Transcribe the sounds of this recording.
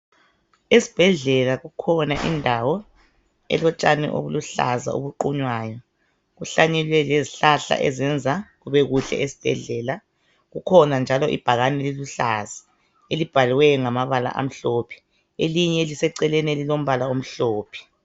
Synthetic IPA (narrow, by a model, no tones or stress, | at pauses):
esi̥b̥ʱɛɮɛlaɣukʰɔnaʔḭndʱawɔ | ɛ̰lɔt͡ʃʼanɛ̰ʔo̰βuluɬa̰za̰o̰βuǃuɲwaːjɔ | ɣuɬaɲɛlwɛleziɬaɬa̰ʔɛ̰zɛnd͡zʱaɣuβɛɣuɬɛ̰ʔesi̥b̥ʱɛ̰ɮɛːla | ɣukʰɔnand͡ʒʱalɔʔḭb̥ʱaɣanɛliluɬaz̥ḁ | elib̥ʱaliwɛŋamaβala̰ʔa̰m̩ɬoːpʰi̥ | eliɲɛelisɛǀɛlɛnielilom̩βalaom̩ɬoːpʰi̥